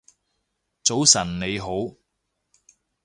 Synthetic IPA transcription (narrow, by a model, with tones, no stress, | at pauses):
t͡so˨˥wsɐ˨˩nne˨˧jɦo˨˥w